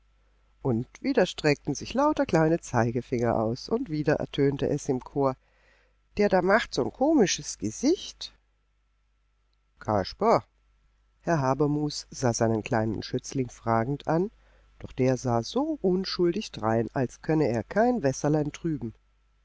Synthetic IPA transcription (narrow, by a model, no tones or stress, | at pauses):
ʔʊntv̥iːdɐʃtʁ̥ɛk̚tn̩zɪçlaʊtɐkl̥aɪnət͡saɪɡəfɪŋɐʔa̰ʊsʔʊntv̥iːdɐʔɛ̰ɐtʰøːntə̰ʔɛsɪmkʰoːɐ | d̥eːɐdaːmaχtz̥oːnkʰoːmɪʃəsɡ̥əzɪçt | kʰa̰ʃpɐ | hɛɐɦaːbɐmuːsz̥aːzaɪnənkl̥aɪnə̰nʃʏt͡slɪŋfʁ̥aːɡŋ̩tʰʔan | d̥ɔχd̥eːɐzaːzoːʔʊnʃʊldɪçd̥ʁaɪnalskʰœnəeːɐkʰaɪnvɛsɐlaɪntʁ̥yːbm̩